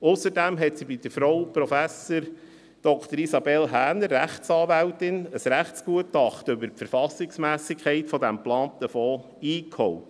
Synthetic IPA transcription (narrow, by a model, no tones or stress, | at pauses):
ʊsəɾdæmɦɛtsibid̥̪əɾfɾɔʊwpɾɔfæsəɾ | d̥ɔkʰt̪əɾisɑbɛlɦæːnərːæχsɑːʋæwtɪnəsɾæχtt͡skuətɑχtɵbəɾpfəɾfɑsɪksmæːsɪkʰχɛɪtfɔdæmplɑːnt̪əfɔː | iːkhɔwt